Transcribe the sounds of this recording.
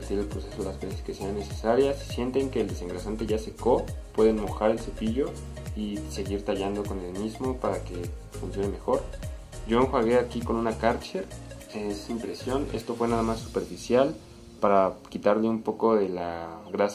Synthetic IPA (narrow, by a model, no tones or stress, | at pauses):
t̪iɾelpɾose̞soelazβeseske̞se̞anːe̞se̞saɾjassje̞nt̪e̞ŋke̞ːld̪e̞se̞ŋɡɾasant̪e̞ʝase̞ko̞pwe̞ðe̞nmo̞xaɾe̞lsupiʝo̞ | iseɣiɾt̪aʝand̪oko̞ne̞lmizmo̞paɾake̞ | funsjo̞neme̞xo̞ɾ | ɟ͡ʝo̞eŋxwaɣe̞akiko̞nũnakaɾt͡ʃeɾ | esimpɾe̞sjo̞ne̞̰st̪o̞fwe̞naðamasːu̥pe̞ɾfisjal | paɾakit̪aɾleumpo̞ko̞ðe̞laɣɾas